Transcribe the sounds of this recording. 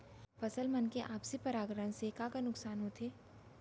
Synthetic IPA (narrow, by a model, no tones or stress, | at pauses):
fɐsəlmɐnkeʔaːpsepɐɾaːɡɾənsekakanʊksaːnɦot̪ʰeː